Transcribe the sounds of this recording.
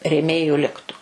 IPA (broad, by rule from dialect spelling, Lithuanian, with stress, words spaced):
rʲeːˈmʲeːjʊ ˈlʲɪktʊ